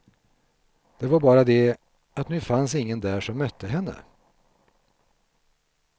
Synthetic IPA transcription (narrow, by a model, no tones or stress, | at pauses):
d̪̥ɛvaɾbɑːɾad̪ɛ | at̪nʉːfansɪŋːənd̪æːʂɔmːœt̪ʰːəɦɛnːə̰